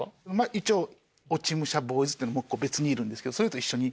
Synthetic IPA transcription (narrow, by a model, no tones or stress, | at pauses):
onomaʔit͡ɕo̞ː | ot͡ɕimɯ̟ɕabo̞ːizɨt̪ːeinmokːoːbe̞t͡sɨɲ̟iːɾɯ̃nd̪esɨ̥ke̞d̪osoɾet̪o̞iɕːo̞ɲ̟i